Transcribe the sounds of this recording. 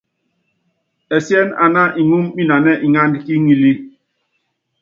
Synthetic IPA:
ɛ˨sjɛ˦na˨na˦ʔi˨ŋu˦mːi˦na˨nɛ˦ʔi˨ŋa˦ndki˦ŋi˨li˦

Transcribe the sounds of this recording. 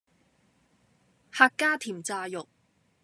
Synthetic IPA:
haː˧kːaː˥t̪ʰiː˨˩mt͡saː˧jʊ˨k̚

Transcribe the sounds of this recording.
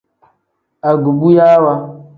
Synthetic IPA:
a˨ɡu˨bu˦ja˦wa˦

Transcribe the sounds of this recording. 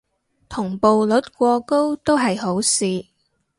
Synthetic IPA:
t̪ʰʊ˨˩ŋpo˨wlɵ˨˥t̚kʷɔː˧ko˥wt̪o˥wɦɐ˨jho˨˥wsiː˨

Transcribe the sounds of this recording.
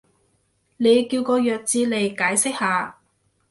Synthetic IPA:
ne˨˧jkiː˧wkɔː˧jœː˨k̚t͡siː˧le˨jkaː˨˥jsɪ˥k̚haː˨˧

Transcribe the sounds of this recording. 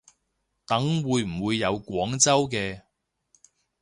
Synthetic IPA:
t̪ɐ˨˥ŋwuː˨˧jm̩˨˩wuː˨˧jːɐ˨˧wkʷɔː˨˥ŋt͡sɐ˥wkɛː˧

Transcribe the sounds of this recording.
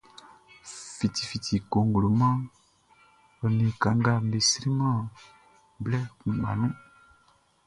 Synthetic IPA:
fi˨ti˨fi˨ti˨ko˨ŋɡlo˨mɔ̃˦ | ɔ˨nĩ˨ka˨ŋɡa˦˨me˨si˦ɾi˦mɔ̃˦˨ | blɛ˦kũ˨ma̰˨nũ˦

